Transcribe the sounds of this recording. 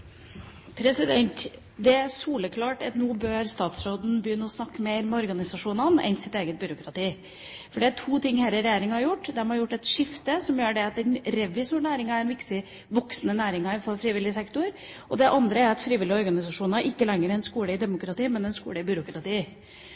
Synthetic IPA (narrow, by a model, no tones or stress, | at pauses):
pʰɾɛsɪd̪ɛnt̪ | d̪ɛæsuːləkʰlɑːʈɑt̪nuːbøːɾst̪ɑːt̪sɾoːd̪n̩bəjʏnːəɔsnɑkːəmeːɾmɛɔɾɡɑnɪsɑʂuːnɑnɛ̰nsɪt̪eːɡət̪̚bʏːɾʊkɾɑt̪iː | fɔɖɛæʈʰuːt̪ʰɪŋhɛɾəɾɛjeːɾɪŋhɑɾjʊʈːd̪ɛmhɑɾjʊʈːɛt̪ʂɪft̪əsɔmjøːɖɛɑt̪̚d̪ɛnɾɛʋɪsʊnæːɾɪŋɑæɾnʋɪkt̪ɪ | ʋɔksnənæːɾɪŋɑɪnfɔɾfɾiːʋɪlːɪəsɛkt̪ʊɾ | ʔɔd̪ɛʔɑnd̪ɾəæɾɑt̪fɾiːʋɪlɪɔɾɡɑnɪsɑʂuːnɑʔɪkːəlɛŋːəɾɛnskuːləɪd̪ɛmʊkɾɑt̪iːmɛnɛnskṵːləɪbʏɾʊkɾɑt̪iː